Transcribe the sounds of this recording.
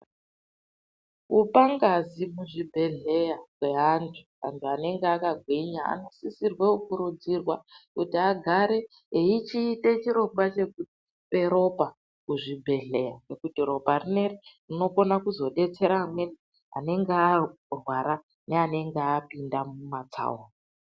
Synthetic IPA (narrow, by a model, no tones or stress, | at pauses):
upaŋɡazimuʐibʱe̞ɮe̞jakwe̞ɦantʰu̥ | a̰ntʰuane̞ŋɡeakaɡʱwiɲaa̰nosisirwe̞ukuɾud͡zirwakutiaɡʱaɾe̞ | eit͡ʃiːte̞t͡ʃiɾo̞ɡwat͡ʃe̞kuti̥ | pe̞ɾo̞pa | kuʐibʱe̞ɮe̞jaɡe̞kutiro̞parineriruno̞ko̞nakuzo̞ɗe̞t͡se̞ɾaːmwe̞ni | a̰ne̞ŋɡea | rwaɾa | neane̞ŋɡeaːpindamumat͡sa̰uwa